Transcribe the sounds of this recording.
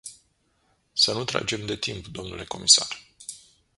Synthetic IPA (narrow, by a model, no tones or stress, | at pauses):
sənut̪ɾa̰d͡ʒe̞md̪e̞t̪impd̪o̞mnule̞ko̞misar